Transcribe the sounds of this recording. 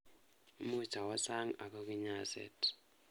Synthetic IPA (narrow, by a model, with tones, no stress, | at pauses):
u˦mu˦t͡ʃa˨wa˦sa˦ŋa̰˨kɔ˦ki˦ɲa˦sɛ̰˨tʰ